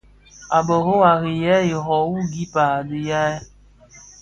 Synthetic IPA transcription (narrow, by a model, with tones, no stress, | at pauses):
a˨bə˨ɦo˦wa˨ɣi˨jɛ˦i˨ɦɔ˨wu˦ɡi˦pa˨du˨ja˦ɛ˦